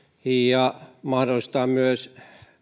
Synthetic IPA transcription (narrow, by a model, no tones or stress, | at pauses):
ijɑmɑhdolist̪ɑːmyøs